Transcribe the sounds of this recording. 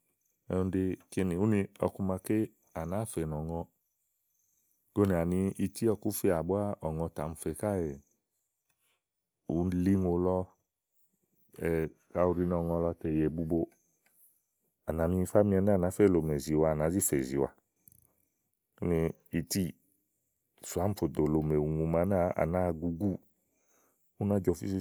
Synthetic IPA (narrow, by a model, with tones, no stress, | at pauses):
ɛ̰̃˧˦de˧ke˧nĩ˨u˦nĩ˧ɔ̰˧ku˧mã˧ke˦ | a˨nã˨˦fe˨nɔ˨ŋɔ̃˧ | ɡo˦ni˧˨a˨nĩ˧i˧ti˦ɔ˧ku˦fi˧˦a˨bu˦a˦ʔɔ˨ŋɔ̃˧ta˨m̩˧fe˧˨ka˦˨ɛ˨ | u˨˦n˦li˦ŋo˧lɔ˧ | ɛ˨ka˧˦u˧ɾi˧nɔ˦˨ŋɔ̃˧lɔ˧tɛ˨jɛ˨bu˧bo˧ | a˨na˨˦mĩ˧fa˦mĩ˧ɛ˧˦na˦˨nã˨˦fɛ˦˨lo˨me˨zi˨wa˧˨nã˨˦zi˦fe˨zi˨wa̰˧ | o˦nĩ˧ | i˧ti˦ | su˨a˨˦m̩˦fo˨do˨lo˨me˨u˨ŋu˧ma˨˦na˦a̰˨nã˦˧ɡu˧ɡu˦ | u˦nã˦d͡ʒɔ˧˨fi˦si˧˦